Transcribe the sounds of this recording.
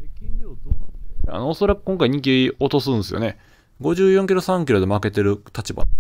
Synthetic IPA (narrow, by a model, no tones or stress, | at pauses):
ekʲĩɲɾʲoːzoːea̰noːso̞ɾakɯ̟̥kõŋkaiɲ̟ik̬ʲiiot̪o̞sɨ̃nsɨjone̞ | ɡo̞ʑɨːjõŋkʲiɾo̞sãŋkʲiɾo̞d̪e̞make̞t̪e̞ɾɯ̟t̪at͡ɕiba̰